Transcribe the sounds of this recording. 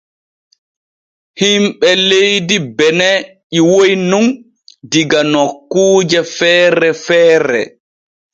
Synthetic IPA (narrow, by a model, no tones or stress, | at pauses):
himɓɛlejdibɛnɛʔiwojnun | diɡanɔkːuːd͡ʒɛfɛːɾɛfɛːɾɛ̰